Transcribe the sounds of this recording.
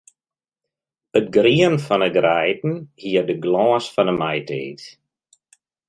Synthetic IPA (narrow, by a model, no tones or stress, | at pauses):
ətɡriənfɔnəɡrɛjtn̩hiərdəɡlɔːsfɔnəmajteːt